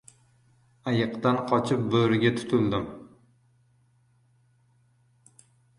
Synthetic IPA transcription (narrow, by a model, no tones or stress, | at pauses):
ajɨqt̪anqʰɒt͡ʃʰɪp̚bɵɾɪɡʲat̪ʰʊ̥t̪ʰʊld̪ɪm